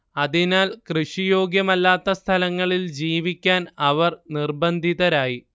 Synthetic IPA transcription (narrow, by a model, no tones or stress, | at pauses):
ɐðinaːlkrɨʂijo̞ːɡjɐmɐlːaːt̪ːɐst̪ʰɐlɐŋːɐɭild͡ʑiːʋikʲːaːnɐʋɐrnirbɐnd̪ʱiðɐɾaːji